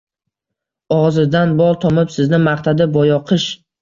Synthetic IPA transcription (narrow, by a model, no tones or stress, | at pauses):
ɒʁzɪd̪anbɒlˠt̪ʰɒmɪpsɪznɪmaχt̪ʰad̪ɪbɒjɒqʰɨʃ